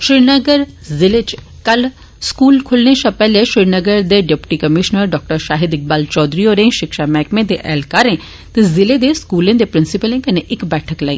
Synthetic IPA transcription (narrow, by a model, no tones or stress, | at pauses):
ʃɾɪɾnəɡəɾ | zɪlet͡ʃ | kɐl | skuːlkʰʊlneʃãpɛːleʃɾɪɾnəɡəɾd̪eɖepʈikɐmɪʃnəɾɖɔːk̚ʈəɾʃaːɦɪd̪ɪk̚baːlt͡ʃɔːd̪ɾioːɾẽʃɪkʃamɛːkmẽd̪eʔɛːlkaːɾẽ | t̪ezɪled̪eskuːlẽd̪epɾɪnsɪpəlẽkɐnẽʔɪkbɛːʈʰəklaːḭ̃ː